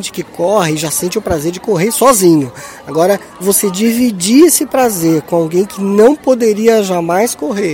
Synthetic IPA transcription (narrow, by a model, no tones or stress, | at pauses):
nt͡ʃɪ̥kɪkɔhɪɪʒasẽnt͡ʃɪʊpɾazeɾd͡ʒɪkoɦeɾsɔzĩɲʊaɡɔɾɐ | vosed͡ʒivid͡ʒiesɪpɾazeɾkõawɡẽj̃kɪnɐ̃w̃pod̪eɾiɐʒamajskoɦeɾ